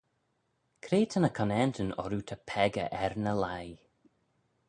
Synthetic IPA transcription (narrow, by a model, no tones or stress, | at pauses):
kʰɾeːt̪ʰənəkʰɔnɛntʰənɔ̰ɾut̪ʰəpʰɛɡə̰ʔɛɾnəlaj